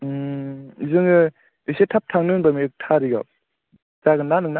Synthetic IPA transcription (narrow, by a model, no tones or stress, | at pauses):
zɯŋɯ | esetʰap̚tʰaŋnɯnbamiɯk̚tʰaɾiɡa̰w | zaɡɯnanɯŋna